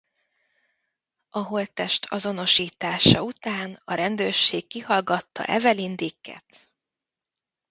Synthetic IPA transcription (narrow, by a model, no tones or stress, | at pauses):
ɒɦo̞lt̪ɛʃt̪ʰɒzo̞no̞ʃiːt̪aːʃɒut̪aːnɒɾɛnd̪øːrʃeːkːihɒlɡɒt̪ːɒ̰ʔɛ̰vɛlind̪ikːɛ̰t̪